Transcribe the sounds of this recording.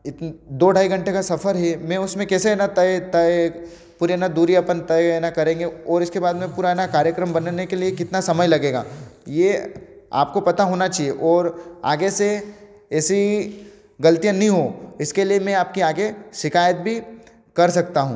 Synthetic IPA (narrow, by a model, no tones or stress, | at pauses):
ɪt̪d̪oːɖʱaːiɡɐ̃ɳʈekasɐfʰəɾɦɛmɛ̃ʊsmẽkɛːseɛnat̪ɐt̪ɐ | puːɾiːnad̪uːɾiapənt̪ɐɛnakɐɾẽːŋɡeɔːɾɪskebaːd̪mẽpuːɾaɛːnakaːɾjəkɾəmbɐnnekeliekɪt̪nasɐməjlɐɡeːɡa̰ːjea̰ːp̚kopɐt̪aɦoːnat͡ʃaːɦieʔɔːɾa̰ːɡese | ɛːsi | ɡɐlət̪ijə̃nɐɦĩɦoɪskeliemɛ̃aːp̚kiaːɡeʃɪkaːjət̪̚bʱi | kɐɾsɐk̚t̪aɦũː